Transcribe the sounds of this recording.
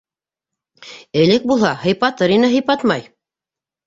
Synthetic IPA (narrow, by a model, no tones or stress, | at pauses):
ɘ̆lɘk̚bulˠhɑhɤ̆jpɑt̪ɤɾinɘɦɤ̆jpɑt̪mɑj